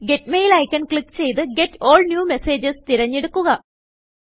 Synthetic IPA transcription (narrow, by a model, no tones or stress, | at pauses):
ɡe̞tmejilɐːjkʲːɐnkɭikːt͡ɕe̞jt̪̬ɨɡe̞to̞ːlnjuːme̞se̞ːd͡ʑɐst̪iɾɐɲːeɽukːuɣɐ